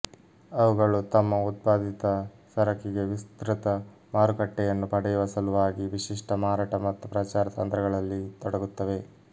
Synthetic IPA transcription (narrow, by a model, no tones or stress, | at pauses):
ɐʋuɡɐɭut̪ɐmːɐut̪̚paːd̪ʱit̪ɐ | sɐɾɐkiɡe̞ʋist̪ɾit̪ɐ | maːɾukɐʈːɛjɐnːupɐɽɐjuʋɐsɐluʋaːɡiʋiʃiʂʈɐmaːɾaːʈɐmɐt̪ːupɾɐt͡ʃaːɾɐt̪ɐnt̪ɾɐɡɐɭɐlːit̪ɔɽɐɡut̪ːɐʋe̞